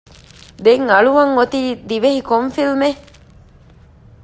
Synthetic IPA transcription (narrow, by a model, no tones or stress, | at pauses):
d̪eŋɐɭuʋɐŋːot̪iːd̪iʋehikoɱfilme